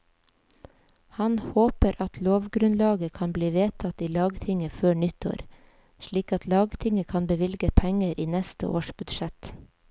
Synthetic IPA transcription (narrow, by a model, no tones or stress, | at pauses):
hɑnhoːpəɾʔɑt̪ʰloːʋɡɾʉnlɑːɡəkʰɑnbliːʋeːt̪ʰɑt̪iːlɑːɡt̪ʰɪŋəføːɳʏt̪ʰo̰ːɾ | ʃliːkɑt̪ʰlɑːɡt̪ʰɪŋəkʰɑnbəʋɪlɡəpʰɛŋəɾʔiːnɛst̪ə̰ʔo̰ːʃb̥ʉd̪ʃɛt̪